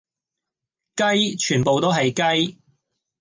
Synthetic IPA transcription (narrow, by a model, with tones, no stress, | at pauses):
kɐ˥jt͡ʃʰyː˨˩npo˨wt̪o˥ɦɐ˨jkɐ˥j